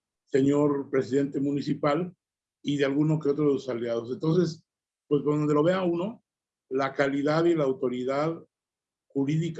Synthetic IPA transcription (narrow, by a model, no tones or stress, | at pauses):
se̞ɲo̞ɾpɾe̞siðe̞nt̪e̞mũnisipal | iðealɣuno̞keo̞t̪ɾoðesosaljaðo̞s̬e̞nt̪o̞ns̬e̞s | pwesβond̪ond̪elo̞βe̞auno̞ | lakaliðaðilaːwt̪o̞ɾiðað | xuɾiðik